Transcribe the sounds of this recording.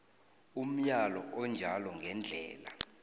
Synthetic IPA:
um̩jalɔʔɔnd͡ʒʱalɔŋɡʱɛnd͡ɮʱɛːla

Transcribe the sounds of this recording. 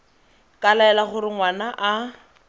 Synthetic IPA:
kʼalaɛlaχʊɾɪŋwanaʔa

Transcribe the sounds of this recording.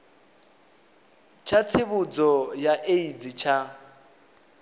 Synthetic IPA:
t͡ʃʰat͡sʰɪβʊd͡zɔjaʔeid͡zit͡ʃʰa

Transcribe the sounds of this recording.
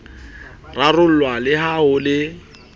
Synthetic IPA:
rarʊl̩lwalɪɦaʊlɪ

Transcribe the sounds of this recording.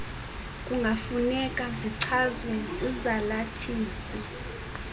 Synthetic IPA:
kʼuŋɡʱafunɛk̬ʼaziǀʰazwɛzizalatʰiːsi

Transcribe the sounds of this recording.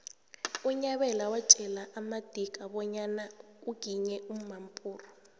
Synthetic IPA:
uɲaɓɛlawat͡ʃʼɛlaʔːmad̥ʱik̬ʼaɓɔɲanauɡ̥ʱiɲɛum̩mampʼuːrɔ

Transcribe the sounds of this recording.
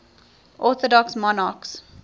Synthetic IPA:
ʔɔθɔdɔksmɔnɑks

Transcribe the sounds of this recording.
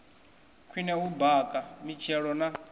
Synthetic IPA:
kʰwinɛɦubakʼamit͡ʃʰɛɺɔna

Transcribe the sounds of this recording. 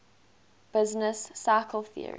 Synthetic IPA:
b̥ɪznəsːakʰəlˠθḭə̰ɹḭ

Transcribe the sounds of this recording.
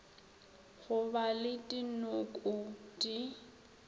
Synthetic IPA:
ɣʊbalɪtʼinʊkʼʊtʼi

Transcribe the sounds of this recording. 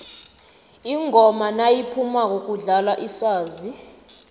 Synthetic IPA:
iŋʱɔmanajipʰumak̬ok̬uɮalaʔiswaːzi

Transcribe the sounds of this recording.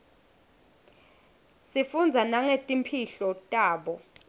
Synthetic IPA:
sifund͡zʱanaŋetʼimpʰiɬɔtʼaːɓɔ

